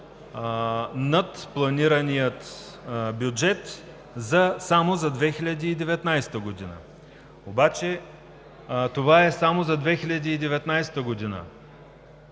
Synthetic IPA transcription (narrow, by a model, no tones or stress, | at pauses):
nɐt̪plˠɐniɾənijət̪ | bjud͡ʒɛt̪ | zɐsamozɐd̪vɛxilʲɐd̪iːd̪ɛvɛt̪najsɛ̥t̪əɡod̪inə̰ | obat͡ʃɛ | t̪ovaɛsamozɐd̪vɛxilʲɐd̪iːd̪ɛvɛt̪najsɛ̥t̪əɡod̪inə̰